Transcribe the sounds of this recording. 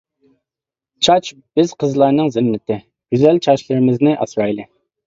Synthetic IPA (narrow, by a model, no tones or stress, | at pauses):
t͡ʃʰɑt͡ʃb̥ɪz̥qʰəzlˠɑɾnɨŋzɪmːɪt̪ʰɪ | ɡ̥ʲyzɛlt͡ʃʰɑʃlˠɨɾɪmɪznɪʔɑ̰sɾɑjlˠɨ